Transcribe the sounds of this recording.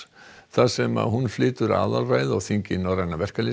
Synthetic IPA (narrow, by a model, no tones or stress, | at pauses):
θaðsɛma̰ðɦunflɪːt̪ʏɾa̰ːðalraːjðɔɣθiɲcɪnawɾajnːavɛr̥kalɪ